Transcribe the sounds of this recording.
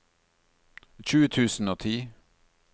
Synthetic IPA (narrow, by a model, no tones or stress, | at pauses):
c͡çʉːət̪ʰʉːsn̩oːt̪ʰiː